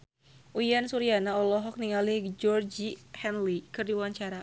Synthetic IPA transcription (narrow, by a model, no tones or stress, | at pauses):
ʔuiansuɾianaɔlɔɦɔk̚niŋalid͡ʒɔrd͡ʒihɛnlikɨrdiwwaɲt͡ʃaɾa